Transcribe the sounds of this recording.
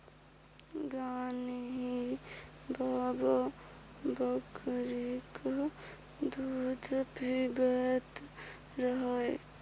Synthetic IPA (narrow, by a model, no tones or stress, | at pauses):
ɡanɦi | bʱabə | bəkɾik | d̪ud̪ʱpɾibət̪ | ɾəɦəe